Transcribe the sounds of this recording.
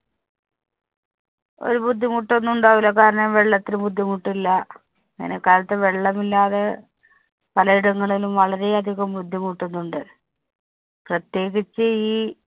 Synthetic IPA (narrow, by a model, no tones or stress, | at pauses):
o̞̰ɾubud̪ʱːimuʈːo̞nːuɳɖaʋilokaːɾɐɳɐmʋe̞ɭːɐt̪ːilubud̪ʱːimuʈːilːɐ | ḭnekːaːlɐt̪ːeʋe̞ɭːɐmilːaːðe̞ | pɐlɐiɽɐŋːɐɭilumʋɐɭɐɾe̞ɐd̪ʱiɣɐmbud̪ʱːimuʈːonːuɳɖɨ | prɐt̪je̞ːɣit͡ɕːɨiː